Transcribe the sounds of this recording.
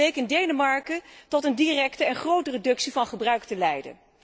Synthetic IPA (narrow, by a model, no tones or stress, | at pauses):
ejkɪndejnəmɑɹkətɔtəndirɛktəɛnχrowtəredɵksivɑnχəbrœɥktəlɛjdə̰